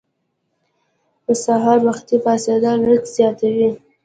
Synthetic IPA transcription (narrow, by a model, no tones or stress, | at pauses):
d̪əsaɦɑɾmaxt̪ifɑsɑd̪ɑlətzjɑt̪awi